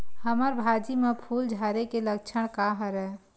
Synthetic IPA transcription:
həməɾbʱad͡ʒimepʰuːld͡ʒʱaɾekelək̚t͡ʃʰəɽ̃kaɦəɾəɦ

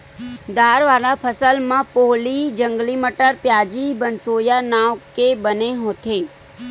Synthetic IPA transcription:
d̪aːɾʋaːɾapʰəsəlmãpoːlid͡ʒə̃ŋɡliməʈəɾpjaːd͡ʒibənsoːjanaːʋkebəneɦoːt̪ʰeː

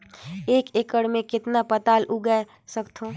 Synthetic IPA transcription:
eːkeːkəɽmẽkɪt̪napət̪aːlʔuɡa | səkt̪ʰõː

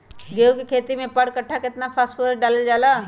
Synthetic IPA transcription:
ɡeːukikʰeːt̪imẽpəɽkɐʈʰːakɪt̪napʰaːsʈfoɾəɖaːləld͡ʒaːlaː

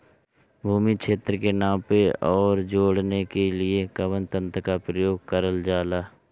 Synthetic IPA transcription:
bʱuːmikʃʰeːt̪ɾəkenãːpeɔːɾd͡ʒoːɽnekelɪekəʋənt̪ə̃nt̪əkapɾəjoːɡ̚kəɾəld͡ʒaːlaː

